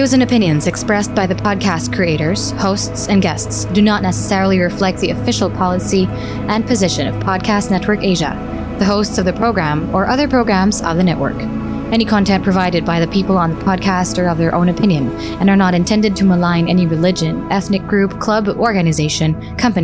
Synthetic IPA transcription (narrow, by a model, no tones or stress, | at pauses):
ɨzɨ̃nɨpʰɪ̃njɨ̃nzɨkspɹɛsb̥aɪðɨpʰɑd̚kʰæstkʰɹ̥ieɪɾə˞z̥hoʊstsɨ̃nɡɛstsd̥ɨnətⁿnɛsə̥sɛɹl̩ˠiɹɨflɛk̚t̪̚ðiɨfɪʃl̩ˠpʰɑlˠəsi | ʔɨ̃npʰɨzɪʃɨ̃nʌ̰v̥pʰɑd̚kʰæstⁿnɛt̚wə˞keɪʒɨ̰ | ðɨɦoʊstsʌvðɨpʰɹ̥oʊɡɹæ̃mə˞ʔʌðə˞pʰɹ̥oʊɡɹæ̃mzʌ̰vðɨnɛʔwə̰˞k | ɛñikʰɑ̃ntʰɛ̃npʰɹ̥ɨvaɪɾɨd̚baɪðɨpʰipl̩ˠə̃nðəpʰɑd̚kʰæstə˞ʌvðə˞ʔõʊ̃nɨpʰɪ̃njɨ̃n | ɨ̃nə˞nəɾɨ̃ntʰɛ̃ndɨd̚tʰɨməlãɪ̃nɛniɹɨlɪd͡ʒɨ̃nʔɛθnɨk̚ɡ̥ɹʉpkʰl̥ʌbɔɹɡɨnɨzeɪʃɨ̃n | kʰʌ̃mpɨni